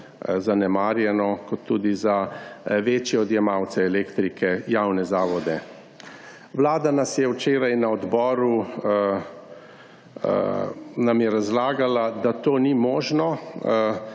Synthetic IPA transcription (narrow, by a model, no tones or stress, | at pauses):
zanɛmaːɾjɛnɔkɔt̪ʰːuːd̪izaʋeːt͡ʃjɛɔd̪jɛmaːwt̪sɛɛleːkt̪ɾikʰɛjawnɛzaːʋɔd̪ɛ | wlaːd̪anasjɛwt͡ʃeːɾajnaɔd̪bɔːɾu | namjɛɾazlaːɡalad̪at̪oːnimɔːʒnɔ